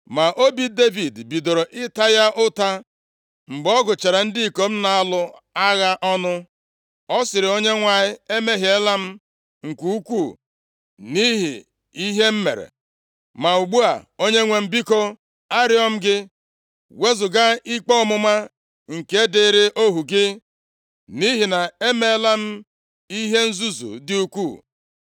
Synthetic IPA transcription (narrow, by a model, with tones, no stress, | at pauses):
ma˨ʔo˦bi˦de˦vi˨dbi˨do˨ɾo˨ʔɪ˦ta˦ja˦ʔʊ˦ta˦ | ŋ͡m̩˨ɡ͡bɔ˦ɡʊ˨t͡ʃe˨ɾa˨n̩˦dɪ˦i˨ko˨m̩˦na˨a˦lʊ˦ | a˦ɣa˦ʔɔ˦nʊ˦ | ɔ˦sɪ˨ɾɪ˨o˦ɲe˦ŋʷa˨ɲɪ˦e˦me˦ɦi˨e˦la˦m̩˦ | ŋ̩˨kʷu˦u˦kʷu˦˨ | ni˦ɦḭ˨ | i˦ɦe˦m̩˦mḛ˨ɾḛ˨ | ma˨u˨ɡ͡bu˦a̰˨o˦ɲe˦ŋʷe˨m̩˦bi˦ko˦ | a˦ɾɪ˦ɔ˦m̩˦ɡɪ˦ | we˦zʊ˨ɡa˦i˦k͡pɔ˦ɔ˦˨mʊ˦ma˦ | ŋ̩˨ke˦dɪ˦ɾɪ˦ʔo˦ɦu˨ɡɪ˦ | ni˦ɦi˨na˨e˦me˦la˦m̩˦ | i˦ɦe˦n̩˦zu˦zṵ˨dɪ˦u˦kʷu˦˨